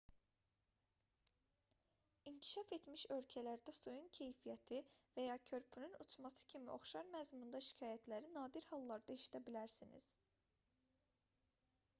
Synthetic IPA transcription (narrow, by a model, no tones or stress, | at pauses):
iɲcʰi̥ʃɑfe̞t̪miʃø̞lcʰælæɾd̪æsujuncʰe̞jfijæt̪ʰivæjɑcʰø̞ɾpʰynynut͡ʃʰmɑsɯ̥cʰimiʔo̞̰χʃɑɾmæzmund̪ɑʃi̥cʰɑːjæt̪ʰlæɾinɑːd̪iɾhɑlˠːɑɾd̪ɑiʃi̥td̪ʰæbilæɾsinḭz̥